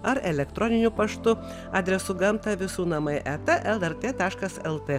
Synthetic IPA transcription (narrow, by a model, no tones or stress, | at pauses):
ɐɾɛlʲɛkt̪ɾɔnʲɪnʲʊpɐʃt̪ʊ | ɐːd̪ʲɾʲɛsʊɡɐmt̪ɐʋʲɪsuːnɐmɐɪʔɛt̪ɛʔɛlˠɛɾt̪ʲeːt̪ɑːʃkɐsɛlˠt̪ʲe